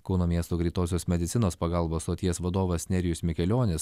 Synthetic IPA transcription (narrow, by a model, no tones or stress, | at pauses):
kɒʊnoːmʲiɛst̪oːɡɾʲiːt̪oːsʲoːsmʲɛd̪ʲɪt̪ʲɪnoːspɐɡɐlˠboːst̪oːt̪ʲiɛsʋɐd̪oːʋɐsʲnʲɛɾʲɪjʊsmʲɪkʲɛlʲoːnʲɪs